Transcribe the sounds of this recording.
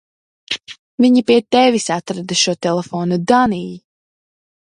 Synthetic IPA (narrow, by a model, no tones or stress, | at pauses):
viɲipiɛt̪ɛvisat̪ɾad̪ɨʃuɔt̪ɛlˠefoːnud̪anij